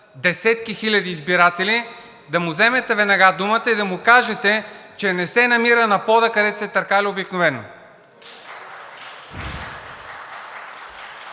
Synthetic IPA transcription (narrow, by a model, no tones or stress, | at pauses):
d̪ɛsɛt̪kixilʲɐd̪iːzbiɾat̪ɛli | d̪ɐmʊzɛmɛt̪ɛvɛnɐɡad̪umət̪əid̪ɐmʊkaʒɛt̪ɛt͡ʃɛnɛsɛnɐmiɾənɐpɔd̪əkɐd̪ɛt̪ʊ̥sɛt̪ɐɾkaliobiknʊvɛno̰